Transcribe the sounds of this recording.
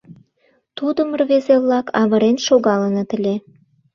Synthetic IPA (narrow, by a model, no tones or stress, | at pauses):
t̪ud̪əmərβezeβlɑkʰɑβə̆ɾenʃoɣɑlənɤ̆t̪əlʲe